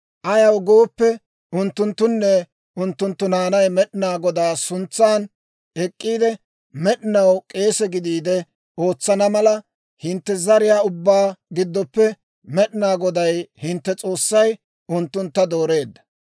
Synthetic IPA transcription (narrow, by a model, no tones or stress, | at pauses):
ʔɐjɐwɡo̞ːpːɛ | ʊnt̪ːʊnt̪ːʊnːɛ | ʊnt̪ːʊnt̪ːʊnaːnɐjmɛɗɪnaːɡɔd̪aːsʊnt͡sːaːn | ɛkʼːiːd̪ɛ | mɛɗɪnɐwkʼe̞ːsɛɡɪd̪iːd̪ɛ | o̞ːt͡sːɐnɐmɐlɐ | hɪnt̪ːɛzɐɾɪjaːʊbːaːɡɪd̪ːɔpːɛ | mɛɗɪnaːɡɔd̪ɐjhɪnt̪ːɛt͡sʼo̞ːsːɐj | ʊnt̪ːʊnt̪ːɐd̪o̞ːɾe̞ːd̪ːɐ̥